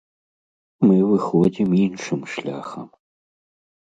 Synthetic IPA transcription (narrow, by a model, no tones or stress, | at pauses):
mɨvɨxod͡zʲiminʂɨmʂlʲa̰xɐm